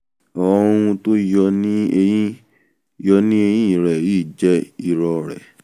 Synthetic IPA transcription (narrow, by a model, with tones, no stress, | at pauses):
ɔ̃˨˧˦ũ˧to˦jɔ˧nĩ˦e˧ĩ˦ | jɔ˧nĩ˦e˧jĩ˦i˦˨ɾɛ˨i˦˨d͡ʒɛ˦i˦˨ɾɔ˨˧˨ɾɛ̰˨